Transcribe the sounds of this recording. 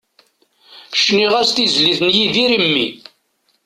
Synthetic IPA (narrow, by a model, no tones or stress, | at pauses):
ʃniʁæst̪izliθnjiðiɾimːḭ